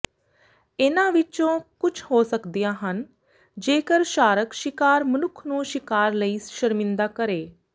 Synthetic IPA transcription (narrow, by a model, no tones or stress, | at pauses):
eːnaʋɪt͡ʃõːkʊt͡ʃʰɦosəkd̪ijãɦən | d͡ʒeːkəɾʃaːɾəkʃɪkaːɾmənʊkʰnũːʃɪkaːɾləisʃəɾmɪ̃nd̪akəɾeː